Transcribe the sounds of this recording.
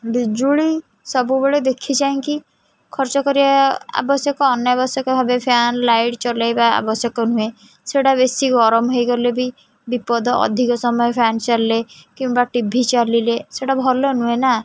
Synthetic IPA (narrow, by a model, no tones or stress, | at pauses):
bid͡ʒuɭi | sɔbubeɭed̪ekʰit͡ʃaĩŋki | kʰɔɾt͡ʃɔkɔɾibaa̰bɔsjɔkɔːnjɔbɔsjɔkɔbʱabepʰanlajɖt͡ʃɔlajbaa̰bɔsjɔkɔn̤ũe | seɽaβesiɡɔɾɔmɦojkɔɾilebi | bipɔd̪ɔɔ̰d̪ʱikɔsɔmɔjɔpʰant͡ʃaɾilekĩw̃baʈibʱit͡ʃalileseɽabʱɔlɔnũena